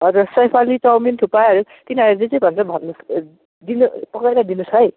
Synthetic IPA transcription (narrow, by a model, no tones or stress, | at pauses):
ɦʌɾusʌjpʰalitʌwmint̪ʰupajʌɾut̪inaɾed͡zet͡sʌbʱʌnsʌbʱʌnːus | d̪inupʌkajɾad̪inusɦʌj